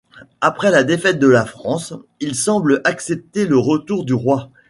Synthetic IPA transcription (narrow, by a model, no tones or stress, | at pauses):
apχɛlad̪efɛt̪̚d̪əlafχɑ̃silsɑ̃blʔaksɛp̚t̪eləʁət̪uʁd̪yʁwa